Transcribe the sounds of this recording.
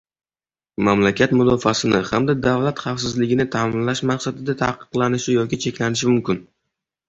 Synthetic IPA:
mamlakʲat̪mʊd̪ɒfasɪnɪhamd̪ad̪avlat̪χafsɪzlɪɡʲɪnɪt̪ʰaːmɪnlaʃmaqsad̪ɪd̪at̪ʰa̰qɨ̥qlˠanɪʃɪjɒkʲɪt͡ʃʰe̞kʲlanɪʃɪmʊmkʲɪn

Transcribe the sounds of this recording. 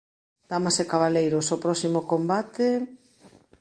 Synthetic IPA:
d̪̥amasekaβalejɾosopɾɔsimokombat̪e

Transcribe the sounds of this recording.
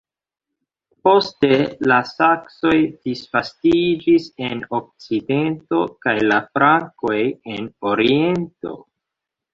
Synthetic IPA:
po̞ste̞lasakso̞jd̥isfastid͡ʒise̞nok̚t͡side̞nto̞kajlafɾaŋko̞jenoɾie̞nto̞̰

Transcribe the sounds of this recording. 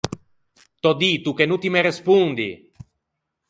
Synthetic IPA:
t̪ɔd̪it̪ukenut̪imeɾespund̪ḭ

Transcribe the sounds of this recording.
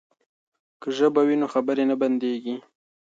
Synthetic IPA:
kəʒəbawinoxabəɾenaband̪eɡi

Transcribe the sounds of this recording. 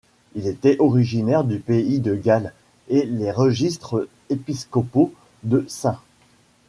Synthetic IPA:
ilet̪ɛʔɔʁiʒinɛʁd̪ypeid̪əɡal | eleʁəʒist̪χə | episkɔpo | d̪əsɛ̃

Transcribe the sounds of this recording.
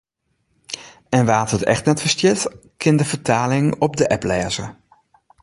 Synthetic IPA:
ɛnʋaːthətɛ̰xtnɛtfəɹstjɪtkʰɪndəvəɹtʰaːlɪŋɔb̚dəʔɛplɛːzə

